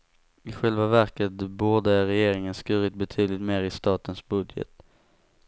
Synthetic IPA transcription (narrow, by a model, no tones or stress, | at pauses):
ɪɧɛlvavæɾkət̪̚buːɖ̪əæɾɛjeːɾɪŋənskʉɾɪt̪̚bɛt̪ʰyːd̪lɪt̪meːɾɪst̪ɑːt̪ənsbɵd̪jə̰t̪